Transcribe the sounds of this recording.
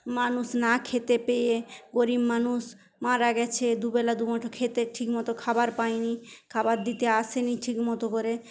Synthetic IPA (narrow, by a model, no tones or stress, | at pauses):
manuʃnakʰet̪epejeɡoɾimːanuʃ | maɾaɡɛt͡ɕʰed̪ubɛlad̪ubɔʈʰokʰet̪eʈʰikmɔt̪okʰabaɾpajnikʰabaɾd̪it̪eaʃeniʈʰikmɔt̪okoɾe